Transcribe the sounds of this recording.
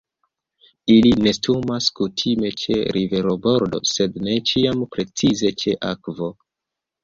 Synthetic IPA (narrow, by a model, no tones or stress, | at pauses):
iline̞stumaskutʰime̞t͡ʃe̞̰ɾʔive̞ɾobo̞ɾdo̞̰se̞dne̞t͡ʃiampɾe̞t͡size̞t͡ʃe̞ʔakvo̞